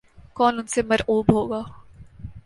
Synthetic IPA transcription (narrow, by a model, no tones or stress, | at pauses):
kɔːnʊnsemɐɾʔuːbɦoːɡaː